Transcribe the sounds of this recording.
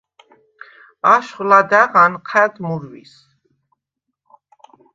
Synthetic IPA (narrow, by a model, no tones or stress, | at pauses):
aʃχlad̪aʁanqʰɛd̪muɾwḭs